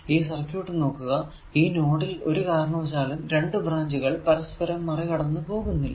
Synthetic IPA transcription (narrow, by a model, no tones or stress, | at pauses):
iːsɐrkjuːʈːɨno̞ːkːuɣɐ | iːno̞ːɽilo̞ɾukaːɾɐɳoːt͡ɕ̬aːlumɾe̞ɳɖɨbraːɲd͡ʑuɣɐɭpɐɾɐspɐɾɐmːɐrekɐɽɐnːɨpo̞ːɣunːilːɐ̰